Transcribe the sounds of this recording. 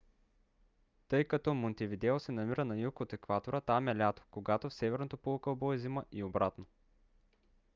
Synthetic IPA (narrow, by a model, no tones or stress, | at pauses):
t̪ɤjkɐt̪ɔmont̪ɛvid̪ɛosɛnɐmiɾənɐjukot̪ɛkvat̪oɾət̪amɛlʲat̪o̥koɡat̪ofsɛvɛɾnot̪ɐpolˠkəbɔɛziməʔiobɾat̪no